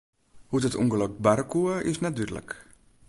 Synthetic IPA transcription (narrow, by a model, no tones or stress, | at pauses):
hutətṵŋɡəlɔk̚baɾkʰuəɪsnɛt̚dyrdələ̰k